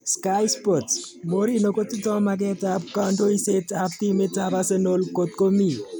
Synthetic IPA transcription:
skajspot | mo˦ɾi˦no˨ko˦ti˦tɔ˦mak̬ɛ˦tab̚ka˦ndo˦i˦se˦tab̚t̪i˦me˦taba˦se˦no˦lko˨t̪̚ko˦mi˨

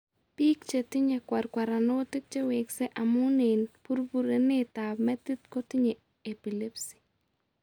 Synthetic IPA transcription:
pi˦k̚t͡ʃe˨tɪ˦ɲekwa˨ɾkwa˨ɾa˨no˦tɪ˦k̚t͡ʃe˦we˨kse˦ʔamʊ˦ne˨npu˦ɾbu˦ɾe˦ne˦ta˨pmɛ˦t̪i˦t̪ko˦tɪ˦ɲe˨ | epi˨le˦psi̥˨

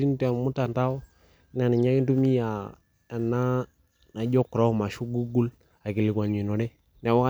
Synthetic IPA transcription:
i˦n˦ta˨mu˦ta˨nta˦o˦ | na˨ni˨ɲa˦ki˦ntu˦mi˦ja˨ | a˨na˦ | na˨d͡ʒo˦kɾo˦˨ma˨ʃu˦ɡu˦ɡu˦l | a˨ki˨li˨kʷa˨ɲi˨no˨de˦ | ne˨wa˦a˦

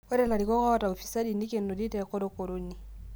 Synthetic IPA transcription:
ɔ˦ɾɛ˦˨la˨ɾi˨kɔ˦kɔ˦ta˨o˨fi̥˨sa˦di˨ni˦ke˨nːo˨di˦tɛ˨kɔ˦ɾo˦ko˨ɾo˦ni˨

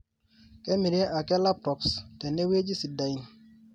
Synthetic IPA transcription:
kɛ˦mi˨ɾe˦ʔa˨kɛ˦la˦p̚tɔ˨pstɛ˨ne˦we˦d͡ʒi˦si˨da˨i˨n

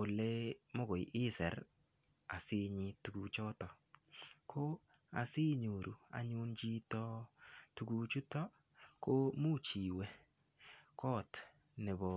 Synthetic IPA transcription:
ʊ˨le˦mo˦ɡo˨jʔɪ˦sɛ˨ɾ | a˨sɪ˦ɲɪ˦tu˨ɡu˨t͡ʃɔ˦tɔ˨ | kʰo˦ | a̰˨sɪ˦ɲo˨ɾʔu˨a̰˨ɲʊ˦nd͡ʒi˦tɔ˦tu˨ɡu˨t͡ʃu˦tɔ˦ | ko˦mu˦t͡ʃi˨wɛ˦ | kʰɔ˦t | nɛ˨bɔ˨

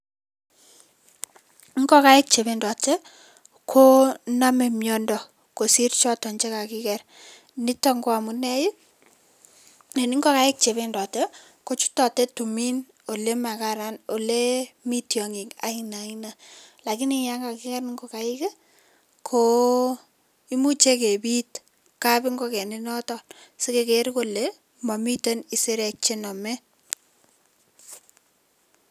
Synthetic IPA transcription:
ŋɡɔ˦ka˦ɪ˦k̚t͡ʃe˨βe˦ndɔ˨tɛ˦ | kʰo˦na˦me˨mjɔ˦ndɔ˨ | ko˨si˦ɾt͡ʃɔ˦tɔ˨ɲt͡ʃe˦ka˨ki˦kɛ˨r | ni˦tɔ˦ŋɡo˦a˨mu˨nɛ˦ji˦ | ne˨ni˦ŋɡɔ˦ka˨ɪ˦k̚t͡ʃe˨βendɔ˨tɛ˦ | ko˦t͡ʃu̥˦tɔ˨tɛ˦tu˨mi˦n | o˨le˦ma˨ka˨ɾa˦no˨le˦mi˦tjɔ˨ŋi˨ŋa̰˦ina˨ina˨ | la˨ki˦nija˦ŋɡa˨kɪ˦ka˦nŋɡo˨ka˨ɪ˦ke˦ | kʰo | i˦mu˦t͡ʃe˦ke˨bi˦t | ka˦pɪ˦ŋɡo˦ke˨ne˦nɔ˦tɔ˨lse˦ke˨ke˨ɾko˦˨le˦ | ma˨mi˦te˦ni˨se˦ɾɛ˨k̚t͡ʃe˦nɔ˨mɛ˦

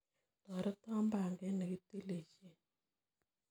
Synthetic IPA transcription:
tɔ˨ɾə˦ta˦mba˨ŋɡɛ˦nə˨ɡi˦ti˦le˨t͡ʃe˦

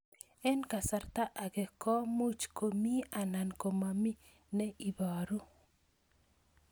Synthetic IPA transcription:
ɛ˦nka˨sa˨rt̪a˦ʔa˨ɡɛ˨kɔ˦mo˦t͡ʃko˨mi˦a˨na˨nko˨ma˨mi˦ | nɛ˦ʔi˨ba˨ɾu˦

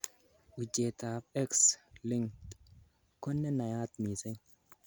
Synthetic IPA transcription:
ʔu˨d͡ʒe˨t̪a˨fɛ˦kslɪ˦ŋ | kɔ˦nːɛ˦nɐ˨jaː˦t̪mi˨se˦

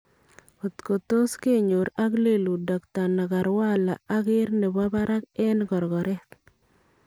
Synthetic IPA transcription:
o˨t̪ko˨t̪o˦ske˦ɲo˨ɾa˦kle˦˨lu˨dɔ˨kt̪a˨na˨ka˨ɾwa˦la˨a˦ɡɪ˦ɾne˨ba˦ba˦ɾʔa˦kɛ˦nɡɔ˨ɾɡɔ˨ɾɛ˦t

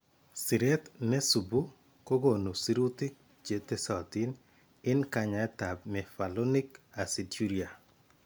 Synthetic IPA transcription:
si˨ɾɛ˦t̪nɛ˦su˨bu˦ | ko˦ɡo˨nu˨si˦ɾu˦t̪i˦k̚ | d͡ʒe˨t̪ɛ˦sa˨t̪i˦n | ɪ˦nka˨ɲa˨ɛ˦t̪a˨bmɛ˨fa˨lɔ˦ni˦ka˨si˨du˦ɾia˨

